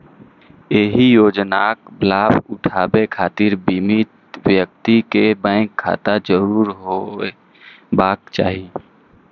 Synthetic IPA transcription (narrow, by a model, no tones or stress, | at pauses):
eɦijoːd͡ʒnaːkblaːbʊʈʰaːbekʰaːt̪iɾbiːmit̪ | wjək̚t̪ikebə̃ɪkʰːa̰ːt̪ad͡ʒəɾuːɾɦoe | baːk̚t͡ʃa̰ːɦi